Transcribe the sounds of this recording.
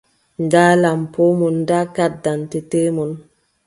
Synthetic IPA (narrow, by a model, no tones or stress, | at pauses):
ndalampomundakat̚dantetemun